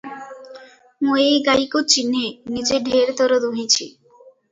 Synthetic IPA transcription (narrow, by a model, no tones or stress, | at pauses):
moejɡajkot͡ɕinːenid͡ʑeɖʱeɾt̪ɔɾod̪uɦit͡ɕʰḭ